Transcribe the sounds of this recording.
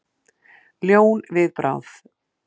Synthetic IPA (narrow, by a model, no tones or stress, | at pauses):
ljoːwnvɪðpɾa̰wθ